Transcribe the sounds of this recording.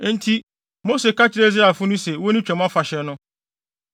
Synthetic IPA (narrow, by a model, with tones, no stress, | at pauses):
n̩˦tʰi˦ | mo˦se˨ka˦t͡ɕʰɪ˦ɾe˦za˨fʊ˦nʊ̃˦sɛ˨wo˦nĩ˦t͡ɕᶣɛ̃˨m˦ã˦fa˨ɕɛ˨nʊ̃˦